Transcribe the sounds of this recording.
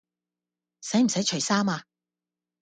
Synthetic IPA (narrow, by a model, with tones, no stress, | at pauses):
sɐ˨˥jm̩˨˩sɐ˨˥jt͡ʃʰɵ˨˩jsaː˥maː˧